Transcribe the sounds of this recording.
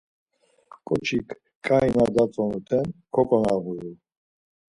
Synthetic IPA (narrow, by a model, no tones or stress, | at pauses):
kʼɔt͡ʃʰikʰ | kʼainad̪at͡sʼɔnut̪ʰɛnkʰɔkʼɔnavuju